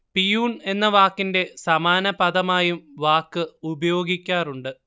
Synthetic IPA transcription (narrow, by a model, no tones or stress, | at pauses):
pijuːne̞nːɐʋaːkːinde̞sɐmaːnɐpɐðɐmaːjumʋaːkːɨubɐjo̞ːɡikʲːaːruɳɖɨ